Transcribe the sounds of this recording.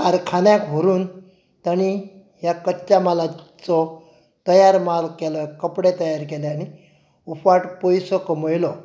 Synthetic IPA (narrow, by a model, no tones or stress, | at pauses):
kaɾkʰanjãkɦoɾuːn | t̪añi | ɦjakətːɕamalat͡sɔ | t̪əjaɾmalkɛlɔekːəpɽet̪əjaɾkɛleañi | ufʋaʈpɔjsɔkəməjlɔ